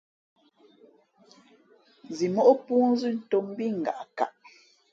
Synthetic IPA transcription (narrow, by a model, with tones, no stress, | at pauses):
zi˨mɔ˦ʔo˦pu˦n˦zi˦n̩˨to˨˦m˦bi˦ŋ̩˨ɡa̰˨ʔka̰˨ʔ